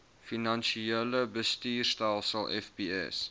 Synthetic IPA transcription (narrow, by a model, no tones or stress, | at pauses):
finɐnʃieləbəstiːrstælˠsəlˠʔɛ̰fbiɛ̰s